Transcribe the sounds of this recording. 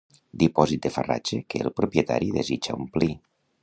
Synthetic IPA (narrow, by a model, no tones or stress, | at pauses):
d̪ipɔzit̪̚d̪efara̰t͡ʃekeːlˠpɾupjet̪a̰ɾiðezit͡ʃa̰umpli